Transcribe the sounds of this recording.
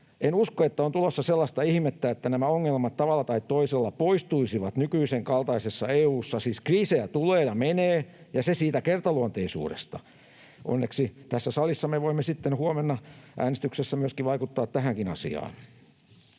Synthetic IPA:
ʔenuskoet̪ːæont̪ulosːɑselːɑst̪ɑihmet̪ːæet̪ːænæmæoŋːelmɑt̪t̪ɑʋɑlːɑt̪ɑit̪toiselːɑpoist̪uisiʋɑt̪nykyiseŋkɑlt̪ɑisesːɑeːuːsːɑsiːskriːsejæt̪uleːjɑmeneːjɑsesiːt̪ækert̪ɑluont̪eisṵːɾḛst̪ɑ | ʔo̰nːeksit̪æsːæsɑlisːɑmeʋoimːesit̪ːenhuomenːɑʔæ̰ːnest̪yksesːæmyøskiʋɑikut̪ːɑːt̪t̪æhæŋkinɑsḭɑ̰ːn

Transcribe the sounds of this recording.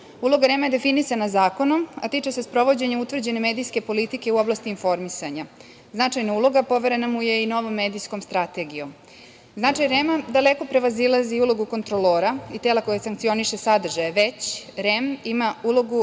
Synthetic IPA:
ulo̞ɡaɾemajed̪e̞finisanazaːko̞no̞ma̰t̪it͡ʃesespɾo̞ʋo̞d͡ʑe̞ɲeut̪ʋr̩d͡ʑe̞nemed̪ijske̞po̞lit̪ike̞uo̞blast̪iːnfo̞ɾmisaɲa | znat͡ʃajnaulˠo̞ɡapo̞ʋe̞ɾe̞namuje̞ino̞ʋo̞mːe̞ːd̪ijsko̞mst̪ɾat̪e̞ɡijo̞m | znat͡ʃajɾemad̪ale̞ko̞pɾe̞ʋazilaziulˠo̞ɡuko̞nt̪ɾoloːɾait̪elako̞jasaŋk̚t̪sio̞niʃe̞sad̪r̩ʒajeʋe̞t͡ɕɾemimaulo̞ɡu

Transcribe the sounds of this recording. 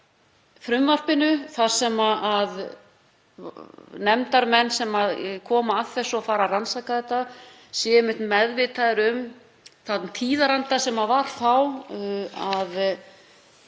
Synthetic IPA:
fɾʏmvar̥pɪnʏθḁsɛmaað | nɛmt̪aɾmɛnːsɛmaðkʰɔːmaaðθɛsːʏafaːɾaransakaðɛt̪ːa | sjɛmɪt̪mɛðvɪt̪ʰaðɪɾʏm | θat̪t̪ʰiːðaɾant̪asɛmavaɾ̥faw | að

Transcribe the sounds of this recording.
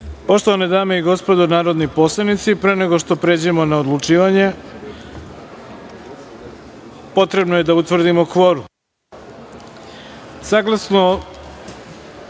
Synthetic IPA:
po̞ʃt̪o̞ʋaned̪aːme̞iɡo̞spod̪onaːɾo̞d̪nipo̞slˠanit̪sipɾe̞ːne̞ɡo̞ʃt̪o̞pɾed͡ʑemo̞naod̪lut͡ʃiːʋaɲe̞ | po̞t̪ɾe̞bnoje̞d̪aut̪ʋr̩d̪imo̞kʋo̞ɾu | saɡlˠasno

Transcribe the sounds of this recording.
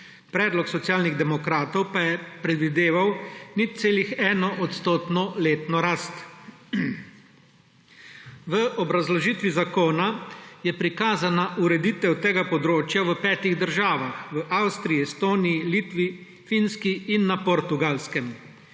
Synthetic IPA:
pɾɛːd̪lɔksɔt̪sijaːlniɣd̪ɛmɔkɾaːt̪ɔwpajɛpɾɛd̪ʋid̪eːʋawnit̪t̪seːlixɛːnɔʔɔt̪st̪oːt̪nɔleːt̪nɔɾaːst̪ | ʋəɔbɾazlɔʒiːt̪ʋizakoːnajɛpɾikaːzanaʔuɾɛd̪it̪ɛwt̪eːɡapɔd̪ɾoːt͡ʃjaʋəpɛːt̪iɣd̪əɾʒaːʋaxʋəʔawst̪ɾiiɛst̪oːnijiliːt̪ʋi | finskiːnːapɔɾt̪uɡaːlskɛm

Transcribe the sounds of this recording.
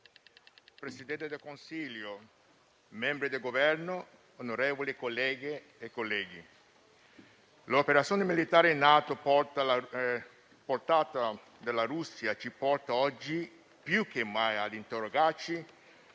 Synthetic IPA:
pɾesid̪ɛnt̪ed̪elkonsiljo | mɛmbɾid̪elɡovɛrno | onoɾɛːvolikolːɛːɡeː | kːolːɛːɡi | lopeɾat̪sijoːnemilit̪aːɾenːaːt̪opɔt̪a | port̪aːt̪a | d̪elaɾusːjat͡ʃipɔrt̪aɔd͡ʒːi | pjukʰːemːajad̪int̪eroɡart͡ʃi

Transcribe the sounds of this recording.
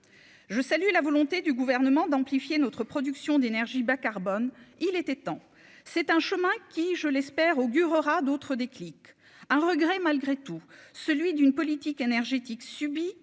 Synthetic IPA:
ʒəsalylavɔlɔ̃t̪ed̪yɡuvɛʁnəmɑ̃d̪ɑ̃plifjenɔt̪χəpχɔd̪yksjɔ̃d̪enɛʁʒibakaʁbɔnilɛt̪ɛt̪ɑ̃ | sɛt̪ɛ̃ʃəmɛ̃kʲiʒəlɛspɛʁoɡʲyʁəʁad̪ot̪χəd̪eklik | ɛ̃ʁəɡʁɛmalɡʁet̪usəlɥid̪ynpɔlit̪ikenɛʁʒet̪iksybi

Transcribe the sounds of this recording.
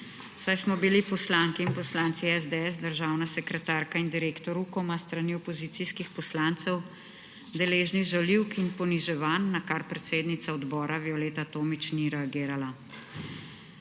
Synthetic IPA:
sajsmɔbilipɔslaːŋkiːnpɔslaːnt̪siɛzd̪eɛs̬d̪əɾʒawnasɛkɾɛt̪aːɾkaind̪iɾeːkt̪ɔɾukɔmast̪ɾaniɔpɔziːt̪iskixpɔslaːnt̪sɛw | d̪ɛleːʒniɣʒaliwkinpɔniʒɛʋaːnːakaɾpɾɛt̪seːd̪nit̪saɔd̪bɔːɾaviɔleːt̪at̪oːmit͡ʃniɾɛaɡiːɾala

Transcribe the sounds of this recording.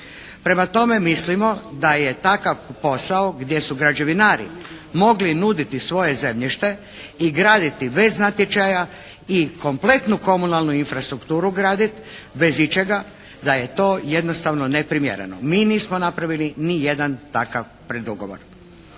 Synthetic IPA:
pɾe̞mat̪o̞me̞mislimo̞d̪aje̞t̪akaʋpo̞saoɡd̪ʲje̞suɡɾad͡ʒe̞ʋinaːɾḭ | mo̞ɡlinud̪it̪isʋo̞je̞ze̞mʎiʃt̪e̞ | iɡɾaːd̪it̪ibe̞znat̪jet͡ʃaja | iko̞mple̞t̪nuko̞munalˠnuinfɾast̪ɾukt̪uːɾuɡɾaːd̪it̪be̞zit͡ʃeɡa | d̪aje̞t̪o̞ːjed̪nost̪aʋnonepɾimjḛɾḛno̰miːniːsmonapɾaʋilinije̞d̪ant̪akaʋ | pɾed̪uɡo̰ʋo̰ɾ

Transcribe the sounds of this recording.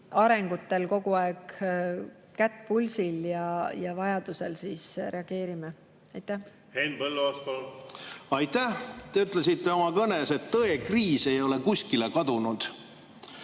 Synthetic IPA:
ɑɾe̞ŋɡ̥ut̪ːe̞lko̞ɡuɑeɡ̥ | kæt̪ːˑpulʲsiljɑjɑvɑjɑd̪uselsiːsre̞ɑɡ̥e̞ːɾime | ɑjt̪ːˑæh | henpɤlːuɑspol | ɑjt̪æht̪e̞yt̪ˑlesit̪ːe̞omɑkɤneset̪ːɤe̞kriːse̞jo̞le̞kusʲkilekɑd̪̥unud̪̥

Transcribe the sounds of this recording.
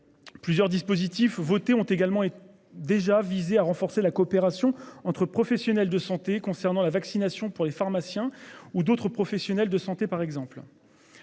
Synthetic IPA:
plyzjœʁd̪ispozit̪ifvot̪eɔ̃t̪eɡalmɑ̃e | d̪eʒavizeaʁɑ̃fɔʁselakɔːpeʁasjɔ̃ɑ̃t̪χəpχɔfɛsjɔnɛld̪əsɑ̃t̪ekɔ̃sɛʁnɑ̃lavaksinasjɔ̃puʁlefaʁmasjɛ̃ud̪ot̪χəpχɔfɛsjɔnɛld̪əsɑ̃t̪epaʁɛɡzɑ̃pl

